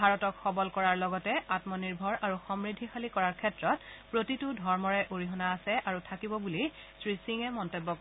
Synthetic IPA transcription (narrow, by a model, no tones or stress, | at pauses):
aɹɔtɔkxɔbɔlkɔɹaɹlɔɡɔtɛʔatmɔniɹbʱɔɹʔaɹuxɔmɹidʱixalikɔɹaɹkʰɛtɹɔtpɹotitʊdʱɔɹmɔɹɛʔoɹiɦɔnaːsɛʔaɹutʰakibɔbuli | sɹisiŋɛmɔntobːɔk